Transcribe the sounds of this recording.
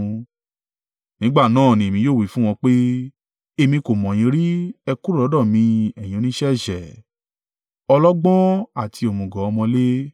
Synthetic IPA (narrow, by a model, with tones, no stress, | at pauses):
nĩ˨˦ɡ͡ba˦˨nãː˦˨nĩ˨e˨mĩ˧joː˦˨wi˨˦fũ˦w̃ɔ̃˧k͡pe˦ | e˧mĩ˧ko˨mɔ̃˨j̃ĩ˨˧˦ɾi˦ɛ˧ku˦ɾu˦˨lɔ˨˦dɔ̃˦˨mĩ˧ɛ˨j̃ĩ˨˧nĩ˦ʃɛ˦˨ʃɛ˨ | ɔ˧lɔ˦ɡ͡bɔ̃˦a˦˨tʰi˧o˨mũ˨ɡɔ̃˨ɔ˧mɔ̃˧le˦